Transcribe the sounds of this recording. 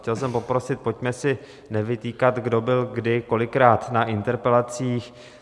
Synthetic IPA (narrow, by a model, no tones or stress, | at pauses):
cɛlsɛmpo̞pɾo̞sɪt̪̚po̞cmɛsɪ | nɛvɪt̪iːkat̪ɡdo̞bɪlɡdɪko̞lɪkɾaːt̪naʔɪnt̪ɛɾpɛlat͡siːx